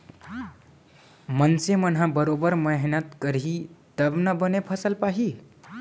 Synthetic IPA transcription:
mənsemənɦãbəɾobəɾməɦinət̪kəɾɦit̪əbnʌbənepʰʌsəlpaɦi

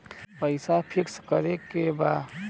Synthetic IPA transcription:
pəɪsapʰɪkskəɾekebaː

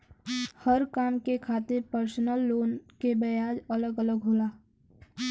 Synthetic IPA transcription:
həɾkaːmkekʰaːt̪ɪɾpəɾsnəlːoːnkebəjaːd͡ʒələɡələɡɦoːlaː

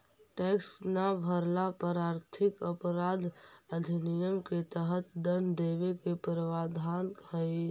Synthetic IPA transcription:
ʈeksnabʱəɾlapəɾaɾt̪ʰikəpəɾad̪ʱəd̪ʱinijəmket̪əɦət̪d̪ənd̪eβekepɾəʋad̪ʱanhəj

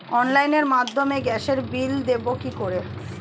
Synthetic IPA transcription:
ɔnlajneɾmad̪ʱːomeɡɛʃeɾbild̪ebokikoɾe

